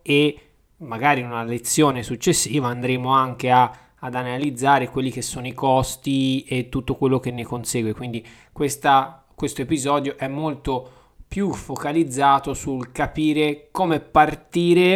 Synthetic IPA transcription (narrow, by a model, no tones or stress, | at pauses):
e | mːaɡaːɾiunalet̪sːjoːnesut͡ʃːesːiːvaːnd̪ɾeːmoaŋk̟eaː | d̪analid̪zːaːɾekwelːik̟esːoːnoikɔst̪iet̪ːut̪ːokwelːok̟enːekonseːɡwekwind̪i | kwest̪a | kwest̪oepizɔːd̪joʔɛmːolt̪o | pjufokalid̪zːaːt̪osulkapiːɾekoːmepart̪iːɾe